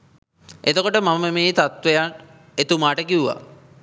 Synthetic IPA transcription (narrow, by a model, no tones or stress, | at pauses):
et̪okoʈəmaməmeːt̪at̪ʋejan | et̪umaːʈəkiuʋa̰